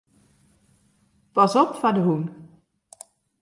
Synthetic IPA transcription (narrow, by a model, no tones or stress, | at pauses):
pɑsɔpfadəɦun